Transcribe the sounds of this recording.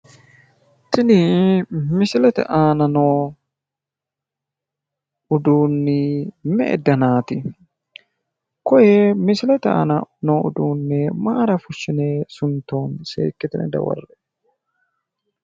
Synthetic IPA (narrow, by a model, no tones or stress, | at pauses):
t̪ɪnɪ | mɪsɪlɛt̪ɛ̰ʔaːnɐnoː | ʊd̪uːnːɪmɛ̰ʔɛ̰d̪ɐnaːt̪ɪ | kɔjemɪsɪlɛt̪ɛa̰ːnɐnoːʊ̰d̪uːnːɛmaːɾɐfʊʃːɪneːsʊnt̪ːo̞ːnsḛːkːɪt̪ɪnɛ̰d̪ɐ̰wɐ̰rːɛ